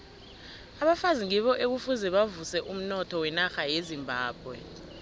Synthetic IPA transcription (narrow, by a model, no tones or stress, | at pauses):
aɓafaziŋiɓɔʔek̬ufuzɛɓavusɛʔum̩nɔtʰɔwɛnaxajezimbʱaːb̥̚ʱwɛ